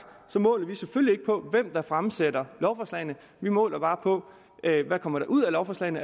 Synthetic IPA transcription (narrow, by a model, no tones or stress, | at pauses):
sɒ̽mɔ̰̽ːlɐʋiseføljie̝ɡ̥əpʰɒ̽ʋem̰d̥ɑ̈fʁamsed̥ɐlɒʊfɒːslɛ̰ɪnə | ʋimɔ̰ːlɐb̥ɑ̈ːpʰɒ̽ | ʔøʋækʰɒ̽m̰ɐɾ̥ɑ̈ʔuð̰ˠælɒʊfɒslɛ̰ɪnə